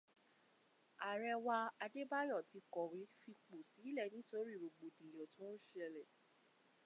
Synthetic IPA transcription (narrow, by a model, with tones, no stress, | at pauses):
a˨ɾɛ˧wa˧a˧de˦ba˦jɔ˦˨ti˨˧kɔ˨wi˨˦fi˧k͡po˨si˨˦lɛ˦˨nĩ˨˦to˦ɾi˦˨bo˨ɡ͡bo˨dĩ˨jɔ̃˨tɔ̃˦ʃɛ˧lɛ˨